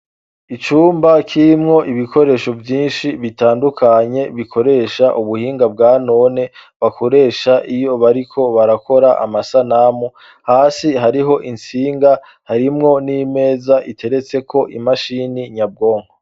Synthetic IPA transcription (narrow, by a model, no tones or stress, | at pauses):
it͡ʃuːmbakʰiɾimŋo̞ʔiβikʰo̞ɾe̞ːʃo̞vjiːnʃiβitaːndukʰaɲe̞βikʰo̞ɾe̞ːʃaʔuβuhiːŋɡab̚ɡaːno̞ne̞ | βako̞ɾe̞ːʃaʔijo̞βaɾikʰo̞βaɾako̞ɾaʔa̰masanamu | haːsiɦaɾiɦo̞ʔint͡siːŋɡa | haɾimŋo̞nime̞ːzaʔitʰe̞ɾe̞t͡se̞kʰo̞ʔḭmaʃiniɲab̚ɡo̞ːŋho